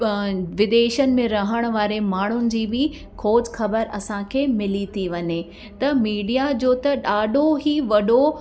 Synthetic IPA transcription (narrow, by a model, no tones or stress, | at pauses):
ʋɪd̪eːʃənɪ̆mẽɾɐɦəɽ̃ʋaːɾemaːɳ̤ʊnɪ̆d͡ʑiːbɪ | kʰoːd͡ʑxɐbəɾɐsãkʰeːmɪlit̪ʰiʋɐɲe | t̪ɐmiːɖijad͡ʑoːt̪ɐɗaːɖʱoɦiʋɐɗo